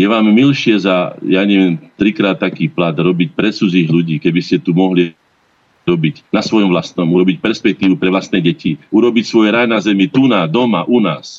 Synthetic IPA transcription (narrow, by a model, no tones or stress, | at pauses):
jɛʋaːmːilʃɪɛzajaɲɛʋɛnt̪ɾikɾaːt̪ːakiːplad̪ɾɔbic̚pɾɛt͡sud͡ziːɣluɟiːkɛbiscɛt̪umɔɦli | ɾɔbiɟnasʋɔjɔmʋlast̪nɔmuɾɔbicpɛɾspɛk̚t̪iːʋupɾɛʋlast̪nɛɟɛciuɾɔbicsʋɔjɛɾajnazɛmit̪unaːd̪ɔmaʔunaːs